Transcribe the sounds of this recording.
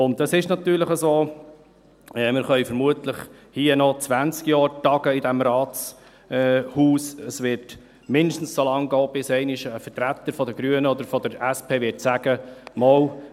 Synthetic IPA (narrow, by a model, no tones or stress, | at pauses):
ʊndɑsɪʃnɑt̪yːɾləχəsoː | ɛmɪχœʏfəɾmuət̪ləχ | hiənɔt͡sʋænst͡skjɑːɾtɑɡ̥əɪd̪æmɾɑːtt͡sː | huːsəsʋɪɾt | mɪnd̪əʃtn̩ssolɑŋɡɔːb̥ɪsɛɪnɪʃəfətɾæt̪ːəɾfɔd̪əɡ̥ɾyənəɔd̪əɾfɔd̪əɾæspʰeːʋɪtsæɡ̥əmɔw